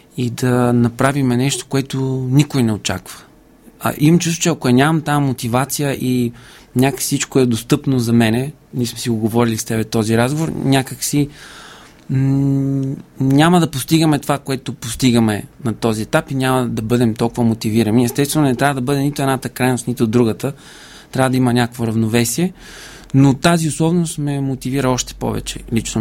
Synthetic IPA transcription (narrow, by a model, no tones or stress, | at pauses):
id̪ɐnɐpɾavimɛnɛʃt̪o̥koɛt̪onikojnɛot͡ʃa̰kvə̥̰ | ʔimɐmt͡ʃust̪o̥t͡ʃɛɐkʊɛnʲamɐmt̪amot̪ivat̪sijəʔi | nʲaksit͡ʃkoɛd̪ost̪ɤpnozɐmɛnɛ | nismɛsiɡoɡovɔɾilist̪ɛbɛt̪ɔziɾazɡovoɾnʲakəksi | nʲaməd̪ɐpost̪iɡəmɛt̪ovakoɛt̪opost̪iɡəmɛnɐt̪ɔziɛt̪apinʲaməd̪ɐbɤd̪ɛmt̪ɔlˠkʊvəmot̪iviɾəniɛst̪ɛst̪vɛnʊnɛt̪ɾavəd̪ɐbɤd̪ɛnit̪oɛnat̪əkɾajnost̪nit̪oːd̪ːɾuɡət̪ə | t̪ɾʲavəd̪ɐimənʲakkvoɾɐvnovɛsiɛ | not̪aziosɔbnost̪mɛmot̪iviɾəɔʃt̪ɛ̥pɔ̰vɛ̰t͡ʃɛ̰lit͡ʃno